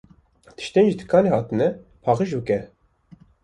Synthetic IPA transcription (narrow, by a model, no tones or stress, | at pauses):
t̪ʰɨ̥ʃt̪enʒit̪ʰɨ̥kʰɑːnehɑːt̪ɨnɛpʰɑːʁəʒbɨkɛ